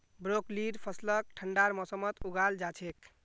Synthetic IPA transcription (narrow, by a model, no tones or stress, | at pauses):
bɾokliɖpʰəslək̚ʈʰəɳɖaɾmɔsəmət̪uɡald͡ʒat͡ʃʰek